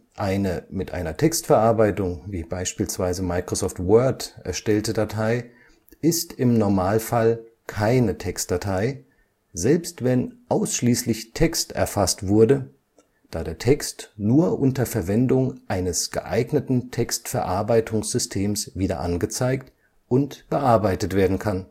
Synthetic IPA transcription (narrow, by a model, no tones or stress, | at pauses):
ʔaɪnəmɪtʔa̰ɪnɐtʰɛkstfɛɐʔaɐbaɪtʊŋviːbaɪʃpiːlsv̥aɪzəmaɪkʁ̥osɔːftwœɐtɛ̰ɐʃtɛltədatʰaɪ | ɪstɪmnɔɐmaːlfalkʰaɪnətʰɛkstd̥atʰaɪ | zɛlpstv̥ɛnʔaʊsʃliːslɪçtʰɛkstɛ̰ɐfastv̥ʊɐdə | d̥aːdeːɐtʰɛkstnuːɐʔʊntɐfɛɐvɛndʊŋʔaɪnəsɡ̥ə̰ʔa̰ɪɡnətn̩tʰɛkstfɛɐʔa̰ɐbaɪtʰʊŋsz̥ʏstʰeːmsv̥iːdɐ̰ʔanɡət͡saɪkt | ʔʊntb̥əʔaɐbaɪtətv̥eːɐdn̩kʰan